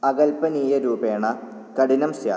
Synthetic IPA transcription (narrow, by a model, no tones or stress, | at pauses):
ɐɣɐlpɐniːjɐɾuːbeːɳɐ | kɐɽinɐmsja̰ː